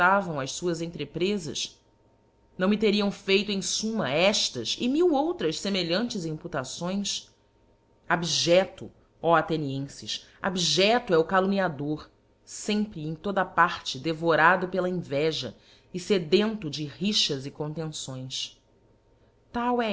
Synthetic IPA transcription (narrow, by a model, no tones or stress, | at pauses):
avɐ̃w̃ɐʃsuɐzẽnt̪ɾepɾezɐ̰ʃ | nɐ̃w̃mɪt̪eɾiɐ̃w̃fejt̪ʊẽj̃sũmɐɛʃt̪ɐzɪ̰miwowt̪ɾɐʃsemeʎɐ̃nt͡ʃɪzĩput̪asõj̃s | abiʒɛt̪ʊ | ɔat̪eniẽsɪʃ | a̰biʒɛt̪ʊɛʊkaluniad̪oɾ | sẽmpɾɪẽj̃t̪od̪ɐpaɾt͡ʃɪd̪evoɾad̪ʊpelɐẽvɛʒɐ̰ | ɪsed̪ẽnt̪ʊd͡ʒɪɦiʃɐzɪkõnt̪ẽsõj̃s | t̪awɛ